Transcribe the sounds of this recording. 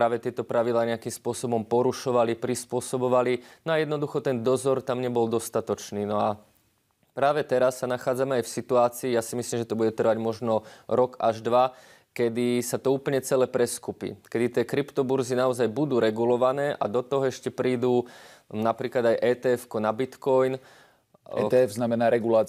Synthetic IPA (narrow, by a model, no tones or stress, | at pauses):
pɾaːʋɛt̪ɪɛt̪ɔpɾaʋid̪laːɲɛakimspʊɔsɔbɔmpɔɾuʃɔʋalipɾispʊɔsɔbɔʋalinɔajɛd̪nɔd̪uxɔt̪ɛnd̪ɔzɔɾt̪amɲɛbɔld̪ɔst̪at̪ɔt͡ʃniːnɔa | pɾaːʋɛt̪ɛɾasːanaxaːd͡zamɛajfsit̪uaːt͡siːjaːsimisliːmʒɛt̪ɔbuɟɛt̪r̩ʋaɟmɔʒnɔɾɔkaʒd̪ʋa | kɛd̪isat̪ɔuːpl̩ɲɛt͡sɛlɛːpɾɛskupḭkɛd̪it̪ɪɛːkɾipt̪ɔbuɾzinaɔzajbud̪uːɾɛɡulɔʋanɛːʔa̰d̪ɔt̪ɔɦɔɛʃcɛpɾiːd̪uːnapɾiːklad̪ajʔɛːt̪ɛɛfkɔnabit̪kɔjn | ɛ̰t̪ɛɛfznamɛnaːɾɛɡula